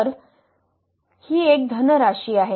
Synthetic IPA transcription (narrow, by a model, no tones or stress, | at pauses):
əɾ | hiːek̚d̪ʱənəɾaɕiːaɦe